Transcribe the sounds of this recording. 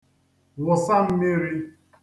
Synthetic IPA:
wʊ˨sa˦m̩˦meɪ˦ɾi˦

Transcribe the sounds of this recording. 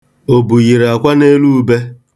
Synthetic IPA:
o˨bu˨ɣi˨ɾa˨kʷa˦ne˦lu˦u˦be˦

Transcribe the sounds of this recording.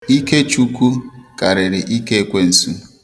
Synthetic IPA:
i˦ke˦t͡ʃu˦kʷu˦ka˨ɾɪ˨ɾɪ˨ʔi˦ke˦e˦kʷe˦n̩˨sṵ˦

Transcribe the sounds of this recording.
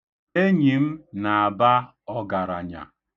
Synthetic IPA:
e˦ɲi˨m̩˦na˨a˨ba˦ | ɔ˦ɡa˨ɾa̰˨ɲa̰˨

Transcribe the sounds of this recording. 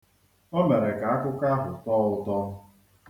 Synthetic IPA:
o˦me˨ɾe˨ka˨a˦kʊ˦ka˦ɦʊ˨tɔː˦ʊ˦tɔ˦

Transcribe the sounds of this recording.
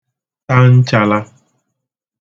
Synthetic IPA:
t̪a˦n̩˦t͡ʃa˧la˦

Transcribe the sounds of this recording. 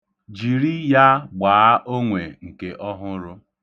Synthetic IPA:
d͡ʒi˨ɾi˦ja˦ɡ͡baː˨a˦ʔo˦ŋʷe˨ŋ̩˨ke˨ʔɔ˦ɦʊ˦ɾʊ˦

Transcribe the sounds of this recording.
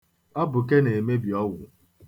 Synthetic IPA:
ɔ˦bʊ˨ke˦ne˨me˦bi˨ɔ˦wʷʊ˨

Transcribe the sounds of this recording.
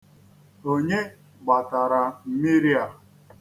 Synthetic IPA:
o˦ɲe˦ | ɡ͡ba˨ta˨ɾa˨m̩˦mɪ˦ɾi˦a˨

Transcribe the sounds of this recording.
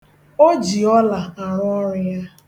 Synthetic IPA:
o˦d͡ʒi˨ɔ˦la˨a˨ɾʊ˦ɔ˦ɾɪ˦ja˦

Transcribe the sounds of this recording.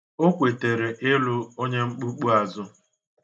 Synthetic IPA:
o˦kʷe˨te˨ɾe˨ʔɪ˦lʊ˦o˦ɲe˦ŋ͡m̩˦k͡pu˦k͡pu˦a˨zʊ˦

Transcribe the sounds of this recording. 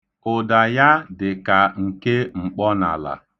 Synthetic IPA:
ʊ˨da˨ja˦dɪ˨ka˨ŋ̩˨ke˦ŋ͡m̩˨k͡pɔ˦na̰˨la̰˨

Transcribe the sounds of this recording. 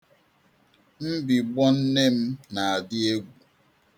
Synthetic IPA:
m̩˦bi˨ɡ͡bɔ˦n̩˦ne˦m̩˦na˨a˨dɪ˦e˦ɡʷu˨

